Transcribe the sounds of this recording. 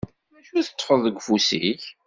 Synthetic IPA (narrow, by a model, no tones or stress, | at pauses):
mæʃuθə̥t͡sˤːfəðˤəɡʷfusḭç